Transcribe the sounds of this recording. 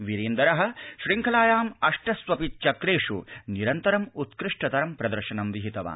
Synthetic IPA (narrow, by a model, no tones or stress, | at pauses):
ʋiɾeːnd̪ɐɾɐɦɐ̆ʃɾiŋkʰɐlaːjaːmɐʂʈɐsʋɐpit̪̚t͡ʃɐkɾeːʂṵniɾɐnt̪ɐɾɐmut̪kɾiʂʈɐt̪ɐɾɐmpɾɐd̪ɐɾʃɐnɐmʋiɦit̪ɐʋa̰ː